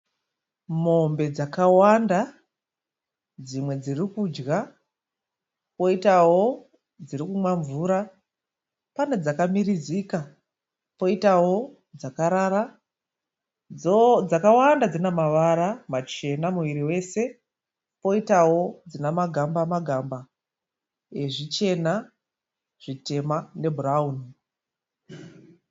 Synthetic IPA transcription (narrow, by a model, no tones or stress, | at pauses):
mo̞mbe̞d͡zakawanda | d͡zimwe̞d͡zirikud͡ʒɣa | po̞itawo̞ | d͡zirikumwaɱvuɾa | pane̞d͡zakamiɾizika | po̞itawo̞ | d͡zakaɾaɾa | od͡zakawandad͡zinemaʋaɾamat͡ʃe̞namuʋiɾiwe̞se̞ | po̞itawo̞d͡zinamaɡʱambamaɡʱamba | e̞ʐit͡ʃe̞na | ʐ̥ite̞mane̞bʱurauni